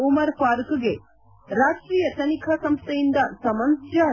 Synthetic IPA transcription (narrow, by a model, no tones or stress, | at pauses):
omɐɾpaːɾkɡe̞ | ɾaːʂʈɾiːjɐt̪ɐnikʰɐsɐmst̪ʰejind̪ɐsɐmɐnsjɐ